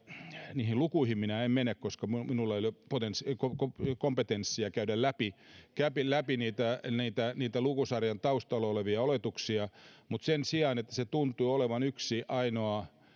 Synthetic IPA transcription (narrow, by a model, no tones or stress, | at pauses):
niːhilukuihimminæemmenekkoskɑmuminulːɑolʲjpot̪enskokokompet̪ensːiɑkæydællæpikæpilæpiniːt̪æniːt̪æniːt̪ælukusɑrjɑnt̪ɑust̪ɑolːɑoleʋiɑolet̪uksiɑmut̪sensiɑːnet̪ːæ̥set̪unt̪uːoleʋɑnyksiʔɑinoɑ